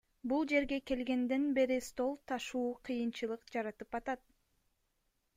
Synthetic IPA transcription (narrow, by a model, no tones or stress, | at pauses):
bulˠd͡ʒe̞ɾɡe̞ke̞lɡe̞nd̪e̞nbe̞ɾist̪o̞lˠt̪ʰɑʃuːqʰɯjɯnt͡ʃɯlˠɯqd͡ʒɑɾɑt̪ɯpɑt̪ɑt̪̚